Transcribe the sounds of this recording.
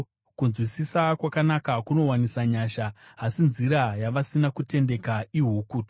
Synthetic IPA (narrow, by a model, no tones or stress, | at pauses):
kunzwisisakwakanakakuno̞wanisaɲaʃaɦasinziɾajaʋasinakute̞nde̞kaiɦukuːti